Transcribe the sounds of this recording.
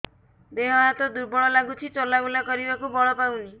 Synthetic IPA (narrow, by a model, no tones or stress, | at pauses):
beɦɔɦat̪ɔd̪uɾbɔɭɔlaɡut͡ʃʰit͡ʃɔlaɡulakɔɾibakubɔɭɔpawni